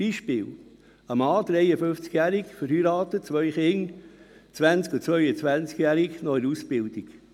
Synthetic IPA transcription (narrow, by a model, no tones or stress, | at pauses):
b̥iʃpɪːl | əmɑːd̥̪ɾɛɪəfʏnft͡skjæːɾikfəɾhyɾɑːt̪ət͡svœʏχɪŋ | t͡sʋænt͡skut͡svœʏət͡svænt͡skjæɾiknɔɾusb̥ɪld̥ik